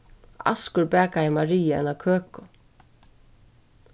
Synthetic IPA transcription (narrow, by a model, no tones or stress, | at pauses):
ɑ̰skʊɹbæːkaɪmaɹiːəɛ̰nakʰøːkʊ